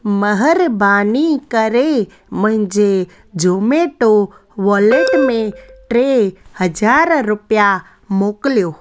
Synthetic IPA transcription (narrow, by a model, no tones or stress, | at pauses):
məɦəɾbanikəɾe | məɦɪ̃nd͡ʒe | d͡ʒomeʈo | ʋəleʈmẽʈɾehəd͡ʒaɾɾʊpja | mokljo